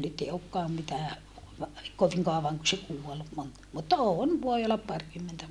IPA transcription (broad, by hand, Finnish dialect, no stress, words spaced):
nyt e okːɑːm mitæː koʋiŋ kɑoʋɑŋ ku se kuol mon mutːɑ oːn ʋoi olːɑp pɑrkymːentæ